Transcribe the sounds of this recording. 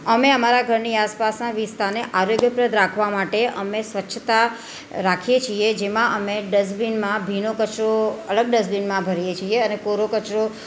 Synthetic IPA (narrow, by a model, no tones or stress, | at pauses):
əmeəmaɾaɡʱəɾniaspasnaʋist̪ʰaneʔaɾoɡjəpɾəd̪ʱɾakʰʋamaʈeə̰mesʋətːʃʰət̪a | ɾakʰijet͡ʃʰied͡ʒemãʔəmeɖəzbinmãbʱinokət͡ʃɾoəɭəɡ̚ɖəzbinmãbʱəɾijet͡ʃʰieənekoɾokət͡ʃɾo